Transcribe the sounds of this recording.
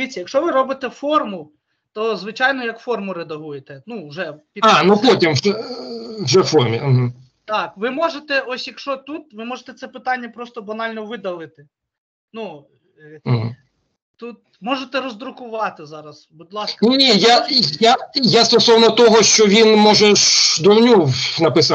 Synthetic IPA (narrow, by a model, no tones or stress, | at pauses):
d̪ʋʲit̪ʲt͡sʲːɐjɐkʃɔʋɪɾɔbɪt̪ɛfɔrmʊ | t̪ɔzʋɪt͡ʃɑjnɔjɐkfɔrmʊɾed̪ɐɦujet̪ɛnuʊʒɛpʲiɑnupɔtʲimʒɛwʒɛfɔrmʲḭɦ̩ | t̪ɑkʋɪmɔʒet̪ɛʔɔsʲjɐkʃɔt̪ut̪ʋɪmɔʒet̪ɛt̪sɛpɪt̪ɑnʲːɐpɾɔst̪ɔbɐnɑlʲnɔʋɪd̪ɐlˠɪt̪ɪ | nu | m̩ɦ̩ | t̪ut̪ | mɔʒet̪ɛɾɔzd̪ɾʊkʊʋɑt̪ɪzɑɾɐsbud̪ʲlˠɑsknʲinʲijajajast̪ɔsɔwnɔt̪ɔɦɔʃt͡ʃɔʋʲinmɔʒɛʃd̪ɔwnʲuwnɐpɪsɑ